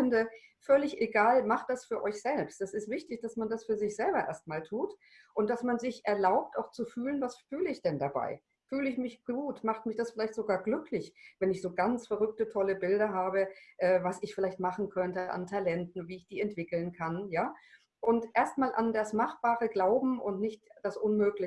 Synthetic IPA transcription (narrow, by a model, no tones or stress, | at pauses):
ndə | fœlɪçʔeɡaːlmaχt̚d̥asfyːɐʔɔʏçz̥ɛlpst̚dɛsɪstv̥ɪçtɪçd̥asmandasfyːɐzɪçz̥ɛlbɐʔeːɐst̚maːltʰuːt | ʔʊntd̥asmanzɪçʔɛɐlaʊp̚tʔa̰ʊxt͡sufyːlənvasfyːləɪçd̥ɛndaba̰ɪ | fyːləɪçmɪçɡ̥uːtmaχtmɪçd̥asfɪlaɪçtz̥oɡaːɐɡlʏklɪçvɛnɪçz̥oːɡant͡sfɛɐʁʏk̚tətʰɔləbɪldɐɦaːbəʔɛːvasɪçfɪlaɪçtmaχn̩kʰœntəʔa̰ntʰalɛntn̩viːɪçd̥iːɛntv̥ɪkl̩nkʰanjaː | ʔʊntʔeːɐstmaːlʔa̰ndasmaχb̥aːʁəɡlaʊbm̩ʊntnɪçtd̥asʔʊnmøːklɪ